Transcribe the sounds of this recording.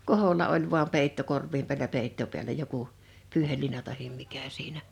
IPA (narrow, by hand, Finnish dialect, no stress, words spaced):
koholːɑ olʲ ʋuɑm peˑitːo korʋːim pi̞ælæ peitːo piælæ joku pyːhelːiːnɑ tɑhim mikæ siːnæ